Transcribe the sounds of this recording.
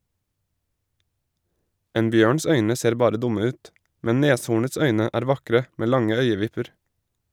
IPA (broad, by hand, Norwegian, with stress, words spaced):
ˈeːn ˈbjøːɳs ˈœʏnə ˈseːɾ ˈbɑːɾə ˈdʊmə ˈʉːt ˈmɛn ˈneːshuːɳəts ˈœʏnə ˈæːɾ ˈʋɑkɾə ˈmeː ˈlɑŋə ˈœʏəˌʋɪpəɾ